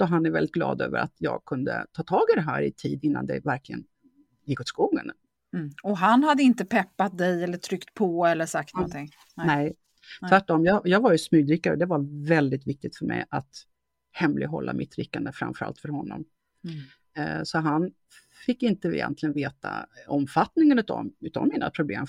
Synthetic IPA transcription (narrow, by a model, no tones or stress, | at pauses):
d̪̥ɔɦanæɾvɛlːɪt̪ɡlɑ̰ːd̪ø̰ːvəɾa̰t̪jɑːɡ̚kʰɵnd̪ə̰t̪ʰɑːt̪ʰɑːɡɪd̪ɛɦæːɾɪt̪ʰiːd̪ɪnːa̰nd̪ɛvæɾklɪɡə̰n | jɪkːɔt̪skuːɡən | ɔɦanhad̪ːəɪnt̪əpʰɛpːat̪̚d̪ɛjɛlːəʈt̪ʰɾʏkt̪pʰɔɛlːəʂak̚t̪nɔnt̪ɪŋ | nɛ | t̪ʰvæʈːɔmjɑjɑːɡvaɾjɵsmyːd̪ɾɪkːaɾɔd̪ɛvaɾvɛld̪ɪt̪vɪk̚t̪ɪɡ̚t̪fœɾmɛjat̪ | hɛmlʔɪ̰ɡɦɔ̰lːa̰mʔɪt̪ːɾɪkːand̪əfɾa̰mfœɾa̰lt̪fœɾhɔnːɔ̰m | sɔɦan | fɪkːɪnt̪əɪ̰jɛ̰nt̪lɪɡənveːt̪ʰa̰ɔmfat̪nɪŋənɵ̟t̪ɔ̰mʉ̟ːt̪a̰nmiːna̰pʰɾʊblḛːm